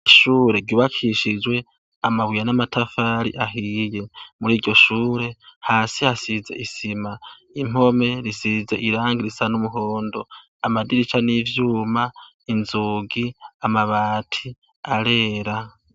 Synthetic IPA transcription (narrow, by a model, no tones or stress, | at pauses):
ʃuːɾe̞ɡiβakʰiʃid͡ʒwe̞ | amaβujanamatafaːɾḭʔaɦije̞muɾiːɾɟo̞ʃuːɾe̞haːsihasize̞̰ʔisima | im̥o̞me̞ɾisize̞̰ʔiɾaːŋɡiɾisanumuɦoːndo̞ | amadiɾit͡ʃanivjuːma | inzuːɡiamaβaːtʰi | aɾe̞ːɾa